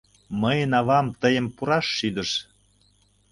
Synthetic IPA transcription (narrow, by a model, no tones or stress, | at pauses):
məjənɑβɑmt̪əjə̆mpuɾɑʃːyd̪əʃ